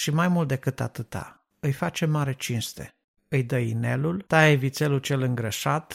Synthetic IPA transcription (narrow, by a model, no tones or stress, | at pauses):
ʃimajmult̪̚d̪e̞kɨt̪a̰t̪ɨt̪a̰ | ɨjfat͡ʃe̞maɾe̞t͡ʃinst̪e̞̰ | ɨjd̪əine̞lult̪aevit̪se̞lut͡ʃe̞lɨŋɡɾəʃat̪